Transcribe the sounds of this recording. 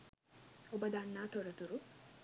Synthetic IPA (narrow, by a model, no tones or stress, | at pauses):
obɐd̪ɐnːaːt̪oɾɐt̪uɾu